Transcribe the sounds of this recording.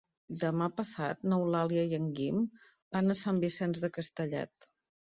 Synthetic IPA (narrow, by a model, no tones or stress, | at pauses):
d̪əmapəsa̰t̪̚nəwlaliəjəŋɡim | banəsambisɛnzðəkəst̪əʎɛ̰t̪